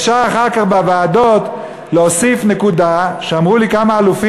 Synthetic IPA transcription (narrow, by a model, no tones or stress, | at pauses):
ʃaːχaʁkaχbavaːd̪o̞t̪ | leosifnekud̪aʃeamʁulikamaːlufi